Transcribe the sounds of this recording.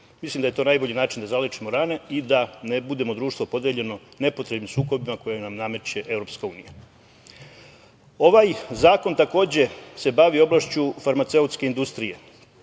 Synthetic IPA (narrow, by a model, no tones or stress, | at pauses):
mislimd̪ajet̪o̞najbo̞ʎinaːt͡ʃind̪azalet͡ʃimoɾane̞id̪anebud̪e̞mo̞d̪ɾuːʃt̪ʋopo̞d̪jeʎe̞no̞ne̞po̞t̪ɾebnimsuːko̞bimako̞jenamname̞t͡ʃje̞ʔe̞vɾo̞pskauːnija | o̞ʋajzaːko̞nt̪ako̞ːd͡ʑe̞se̞baʋio̞blˠaʃt͡ɕufaɾmat̪se̞ut̪ske̞ind̪ust̪ɾije̞